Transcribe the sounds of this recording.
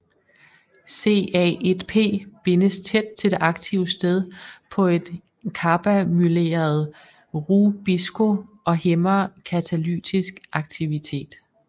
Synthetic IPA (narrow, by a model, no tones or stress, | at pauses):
se̝̰ːɛ̰ʔed̥pʰe̝̰ːb̥e̝nəst͡sʰed̥̚t͡sʰe̝ld̥e̝ʔɑ̈ɡ̥t͡sʰiʊsd̥eð̞ˠpʰɒ̽e̝d̥ | kʰɑ̈b̥æmyle̝̰ːɐð̞̩ˠ | ʁub̥isɡ̥o̝ʔɒ̽hemɐkʰæt͡sʰæly̰ːt͡sʰisɡ̥ʔɑ̈ɡ̥̚t͡sʰiʋit͡sʰe̝̰ːd̥